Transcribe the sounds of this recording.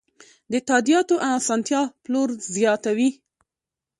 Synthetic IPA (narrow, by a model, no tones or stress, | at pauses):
d̪ət̪ɑd̪ijɑt̪oʔaasɑnt̪jɑploɾzjɑt̪awi